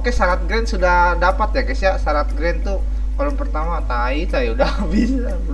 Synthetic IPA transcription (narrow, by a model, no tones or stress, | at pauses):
kasaɾat̪̚ɡɾɛnsudahdapat̪̚jakasiasaɾat̪̚ɡɾɛnt̪u | kalɔŋpərt̪amat̪ait̪ajauda | bisa